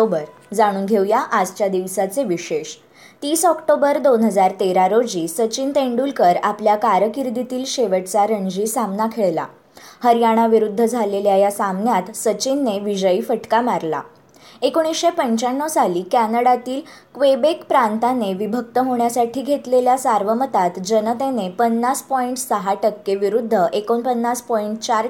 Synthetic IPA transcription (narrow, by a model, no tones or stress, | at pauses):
obəɾ | d͡zaɽ̃uːnɡʱewjaʔad͡zt͡ɕjad̪iʋsat͡seʋiɕeɕ | t̪iːsɔkʈobəɾd̪onɦəd͡zaɾt̪eɾaɾod͡ʑiːsət͡ɕint̪eɳɖulkəɾapljakaɾjəkiɾd̪it̪iːlɕeʋəʈt͡saɾəɲd͡ʑiːsamnakʰeɭla̰ | həɾjaɽ̃aʋiɾud̪ʱːəd͡zʱaleljajasamnjat̪sət͡ɕinːeʋid͡ʑəiːfəʈkamaɾla̰ | ekoɽ̃isɕepəɲt͡ɕaɳːəsaliːkænəɽat̪iːl | kʋebekpɾãnt̪aneʋibʱəkt̪əɦoɳjasaʈʰiːɡʱet̪leljasaɾʋəmət̪at̪d͡ʑənət̪enepənːaspɔiɳʈsəɦaʈəkːeʋiɾud̪ʱːəʔekonpənːaspɔiɳʈt͡ɕaɾ